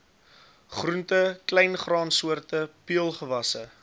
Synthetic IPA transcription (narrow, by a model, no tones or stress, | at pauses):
χruntəklɛjnχrɑːnsuərtəpiəlˠχəvɐsə